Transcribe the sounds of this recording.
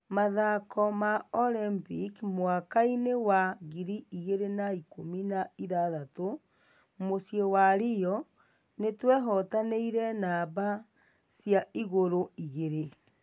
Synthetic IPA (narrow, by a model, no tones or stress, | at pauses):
maðakʰɔmaɔlɛmbikmwakainewaɣiɾiiɣeɾenaikominaiðaðato | mosjewaɾijɔ | netwɛɦɔtaneiɾɛnaβa | sjaiɣoɾoiɣeɾe